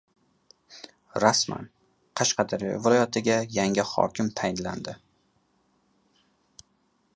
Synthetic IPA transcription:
ɾasma̰n | qʰɑʃqɑd̪aɾijɒ̰vɪlˠɒjat̪ʰɪɡʲajaŋʲɪhɒ̰kʲʰɪmt̪ʰajɪnland̪ɪ

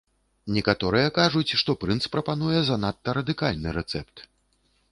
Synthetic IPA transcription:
nʲɛkat̪ɔɾɨjɐkaʐut͡sʲʂt̪ɔpɾɨnt̪spɾɐpan̪ujɛzɐnat̪ːɐɾɐd̪ɨkalʲnɨɾɛt̪sɛpt̪

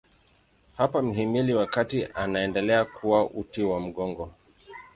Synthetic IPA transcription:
hapam̩ɦimiliwakatiʔanaɛndɛlɛakʰuwaʔutiwam̩ɠɔŋɡɔ

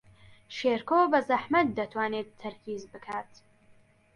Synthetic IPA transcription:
ʃeːɾkʰoːbɐzɐħmɐt̪̚d̪ɐt̪ʰwaːneːt̪ʰːɐɾkiːzbɨkʰaːt̪

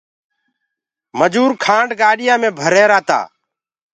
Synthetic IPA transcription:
məd͡ʒuːɾkʰãːɳɖɡaːɗɪjãːmẽːbʱəɾeːɾaːt̪a̰ː

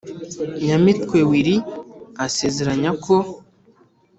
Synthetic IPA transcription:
ɲamitwewiɾiasezeɾaɲakʰo

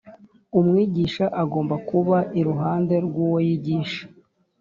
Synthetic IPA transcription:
umŋiːɟiʃaʔaɡo̞ːmbakuβaʔiɾuɦaːnde̞ɾɡuːwojiɟiːʃḁ

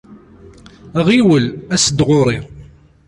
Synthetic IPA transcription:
ʁiwəlæsəd̪ʁʊɾˤi

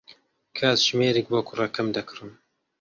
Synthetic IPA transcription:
kʰaːt̪ʒ̥meːɾiːk̚bokurɐkʰɐmd̪ɐkʰɨrɨn

